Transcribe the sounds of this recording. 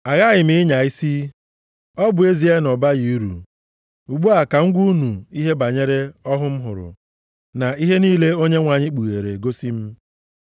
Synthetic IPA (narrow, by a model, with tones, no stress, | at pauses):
a˨ɣa˦ɣɪ˨m̩i˨˦ɲa˨i˦si˦ | ɔ˦bʊ˨e˦zi˨˦e˦nɔ˨ba˦ji˨u˦ɾṵ˨ | u˨ɡ͡bu˦a˨ka˨ŋ̩˦ɡʷu˦u˦nu˨i˦ɦe˦ba˨ɲe˦ɾe˦ɔ˦ɦʊ˦m̩˦ɦʊ̰˨ɾʊ̰˨ | na˨i˦ɦe˦niː˦le˦o˦ɲe˦ŋʷa˨ɲɪ˦k͡pu˨ɣe˨ɾe˨ɡo˦si˦m̩˦